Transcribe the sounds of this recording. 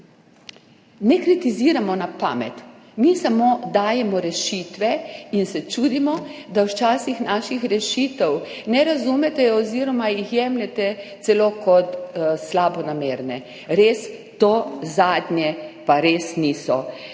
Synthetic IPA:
nɛkɾit̪iziːɾamɔnapa̰ːmɛ̰t̪ | misamod̪aːjɛmɔɾɛʃiːt̪ʋɛinsɛt͡ʃuːd̪imɔd̪awt͡ʃaːsixnaʃixɾɛʃiːt̪ɛw | nɛɾazumɛt̪ɛɔziːɾɔmajixjɛmlɛt̪ɛt̪sɛloːkɔt̪slaːbɔnameːɾnɛ | ɾeːst̪ozaːd̪njɛpaɾeːsnisɔ

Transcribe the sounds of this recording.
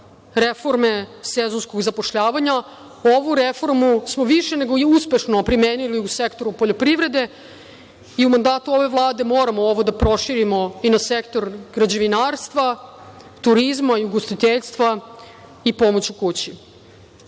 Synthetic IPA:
ɾefo̞ɾme̞sezonskoɡzapo̞ʃʎaːʋaɲa | oʋuɾefo̞ɾmusmo̞ʋiʃe̞ne̞ɡoiuspe̞ʃno̞pɾimeːniliusekt̪o̞ɾupoʎopɾiʋɾe̞d̪e̞ | iumand̪aːt̪uo̞ʋe̞ʋlˠaːd̪e̞mo̞ːɾamooʋo̞d̪apɾo̞ʃiɾimo̞inasekt̪o̞ɾɡɾad͡ʑeʋinaːɾst̪ʋa | t̪uɾizmaiuɡost̪it̪eʎst̪ʋa | ipo̞mo̞t͡ɕukut͡ɕi

